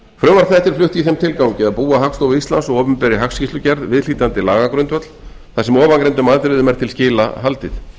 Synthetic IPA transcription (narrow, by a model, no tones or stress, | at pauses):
fɾœmaɾ̥θɛht̪ɪɾ̥flʏht̪iθɛmt̪ʰɪlkawcɪðaðpuːaɦakst̪owvɪist̪lansɔɣɔːpʏmpɛːɾɪɦakscist̪ʏcɛɾðvɪðl̥iːt̪ant̪ɪlaːɣakɾœnt̪vœt̪l | θasɛmɔːvankɾejnt̪̬ʏmaːðt̪ɾɪðʏmɛɾ̥t̪ʰɪlscɪːla̰ɦalt̪ɪθ